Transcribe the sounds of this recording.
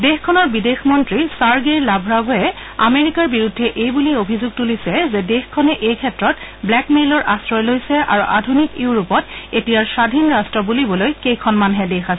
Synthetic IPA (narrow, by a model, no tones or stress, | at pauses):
dexkʰɔnɔɹbidexmɔntɹisaɹɡejlabʱɹabɔɛ | a̰meɹikaɹbiɹudʱːɛʔejbuliobʱizuɡ̚tulisɛzɛdexkʰːɔnɛʔejkʰɛtɹɔtblɛkmelɔɹʔastɹɔjlojsɛʔa̰ɹuʔadʱunikiwɹupɔtetijaɹsadʱinɹastɹɔbulibɔlojkejkʰɔnmanɦɛdexasɛ